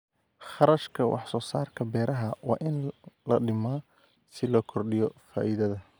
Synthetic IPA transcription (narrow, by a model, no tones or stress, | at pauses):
χɑɾɐʃkʰɐwʔɑ̰ħsɔːsaːrkʰɐbɛːɾɐɦɐwɑ̰ːʔɪnlɐɖɪmaː | sɪlɔːkʰɔrɖɪjɔfa̰ːʔiðɐðɐ